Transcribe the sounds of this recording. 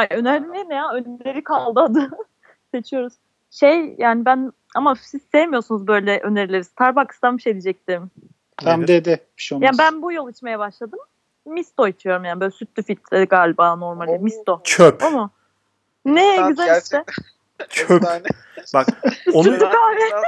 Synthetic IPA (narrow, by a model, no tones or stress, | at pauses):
hajø̞næɾlʲimʲenjaønymlʲe̞ɾikʰalˠd̪ad̪ɯ | se̞t͡ʃʰijo̞ɾuz̥ | ʃejjaːnibæn | amasiz̥sejemijoɾsunuzbø̞jlʲɛʔøneɾilʲeɾiz̥t̪ʰaɾbakʰɯ̥st̪anmbiʃeːd̪id͡ʒɛc̚t̪iɾm | t̪ʰamd̪ed̪ɪ | ʃjaːnibænbujolˠɯt͡ʃmajabaʃlˠad̪ɯmː | ist̪o̞it͡ʃʰijo̞ɾumjaːnbø̞jlʲɛsyt̪lʲyfit̪ʰɛɡaːlʲibano̞ɾmalʲimist̪o̞t͡ʃʰøpomu | nejɡyzɛliʃɛ | t͡ʃʰøp | bakonyt̪lykʰaːvɛ